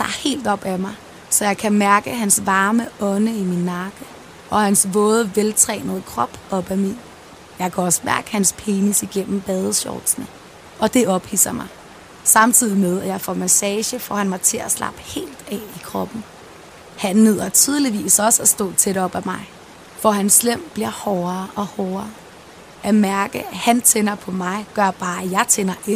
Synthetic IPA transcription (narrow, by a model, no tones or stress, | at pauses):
d̥ɑ̰̈he̝̰ːld̥ɒ̽b̥æmɑ̈ɪ | sɒ̽jɑ̈ɪkʰæmæɐɡ̥əɦænsʋɑ̈ːməɒ̽nəiminːɑ̈ɡ̥ə | ʔɒ̽hænsʋɔ̽ːð̞̩ˠʋelt͡sʰʁɛ̰ːnəð̞̩ˠəkʰʁɒ̽b̥ɒ̽b̥æmin | jɑ̈ɪkʰæɒ̽sə̥mæɐɡ̥hænspʰe̝ːnisiɡ̥en̰m̩b̥ɛːðˠəɕɒ̰ːlsnə | ʔɒ̽d̥e̝ʔɒ̽b̥hḭːsɐmɑ̈ɪ | sɑ̈mt͡sʰið̞̰ˠimøðˠɐjɑ̈ɪfɒmæsɛːɕəfɒ̰ːhænmɑɪt͡sʰe̝æslʔɑ̰̈b̥əhe̝̰ːld̥ɛ̰ikʰʁɒ̽b̥n̩ | hænːeð̞̰ˠɐt͡sʰyð̞ˠəliʋḭːsɒ̽səæsd̥ɔ̰̽ːt͡sʰeɾ̥ɒ̽b̥æmɑ̈ɪ | fɒɦænslem̰b̥liɐhɒːɐːʔɒ̽hɒːɐ | ʔæmæɐɡ̥əæhænt͡sʰenɐpʰɒ̽mɑ̈ɪɡ̥ɶɐb̥ɑ̈ːæjɑ̈ɪt͡sʰenɐʔen